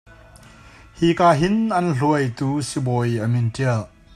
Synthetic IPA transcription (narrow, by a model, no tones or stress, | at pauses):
hikaːɦinʔɐnɬuəjt̪uːsibɔjʔɐmintiəl